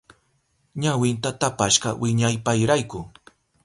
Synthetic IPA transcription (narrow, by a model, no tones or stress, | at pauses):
ɲawɪnt̪at̪apaʃɢɑwʔɪɲajpajɾajkʊ